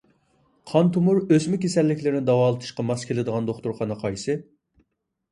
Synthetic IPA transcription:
qʰɑnt̪ʰumuɾøsmɪkʲesɛlːɪkʲlɪɾɪnɪd̪ɑwɑːlˠɨt̪ʰɨ̥ʃqɑmɑskʲʰelɪd̪əʁɑnd̪oχt̪uɾχɑnɨqʰɑjsɨ

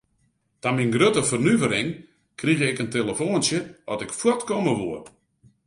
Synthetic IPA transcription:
taminɡrøtəfərnyvəɾɪŋ | kriɣəɪkəntelˠəfoːnsjəɔtɪkfwɔtkoməʋuər

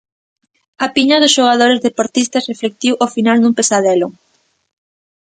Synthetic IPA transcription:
ɐpiɲɐðʊsʃoɣ̞að̞oɾezðepoɾt̪ist̪ɐsreflek̚t̪iwʔofinalnũmpesað̞ɛlʊ

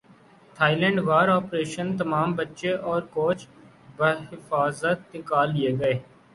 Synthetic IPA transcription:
t̪ʰaːilɛ̃ːɳɖʋaːɾɔːpɾeːʃənt̪ɐmaːmbətːʃeʔɔːɾkoːt͡ʃ | bəɦɪfaːzət̪̚nɪkaːlːieɡɐeː

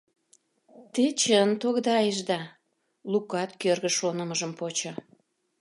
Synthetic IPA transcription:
t̪et͡ɕənt̪oɣd̪ɑjəʒd̪ɑ | lukɑt̪kørɣə̆ʃonəməʒəmpot͡ɕŏ

